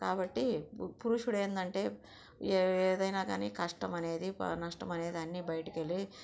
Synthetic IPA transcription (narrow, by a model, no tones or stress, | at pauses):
kaːbɐʈːipuɾuʂuɽeːnd̪ɐɳʈe̞ː | d̪ɐjnaːɡaːniːkɐʂʈɐmɐne̞ːd̪ḭnɐʂʈɐmɐne̞ːd̪iɐnːiːbɐjɐʈɐkeli